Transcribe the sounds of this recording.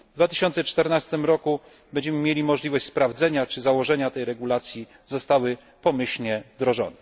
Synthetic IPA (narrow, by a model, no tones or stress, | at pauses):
vd̪vat̪ɘɕɔnt̪sɛt͡ʂt̪ɛɾnast̪ɘmɾɔku | bɛɲd͡ʑɛmɘmʲjelʲimɔʐlʲivɔɕt͡ɕʲspɾavd̪zɛɲat͡ʂɘzawɔʐɛɲat̪ɛjɾɛɡulat̪sʲji | zɔst̪awɘ | pɔmɘɕlɲɛvd̪ɾɔʐɔ̰nɛ